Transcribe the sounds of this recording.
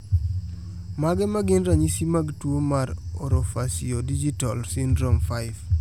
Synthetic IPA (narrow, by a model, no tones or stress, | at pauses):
maɡɛmaɡɪnɾaɲisimaɡtwomaɾɔɾofasiodid͡ʒitalsɪndɾomfaɪv